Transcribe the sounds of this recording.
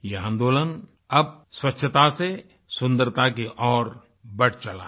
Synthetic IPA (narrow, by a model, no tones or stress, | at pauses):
jeãːnd̪oːlən | ɐb̚swətːʃʰət̪ase | sʊ̃nd̪əɾt̪akiʔɔːɾ | bɐɽt͡ʃɐla̰ː